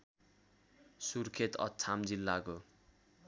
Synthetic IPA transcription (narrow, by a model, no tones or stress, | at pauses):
surkʰet̪ʌ̰t͡sʰamd͡zilːako